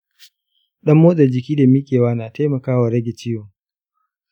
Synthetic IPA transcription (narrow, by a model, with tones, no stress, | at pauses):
ɗɐ˦mːoː˦ɗʼɐ˨d͡ʒɪ˨kʲiː˦da˨mɪ˦kʲʼeː˨waː˦naː˨te˦mɐ˨kaː˦wa˨ɽɐ˦ɡʲɛ˨t͡ʃɪ˦joː˨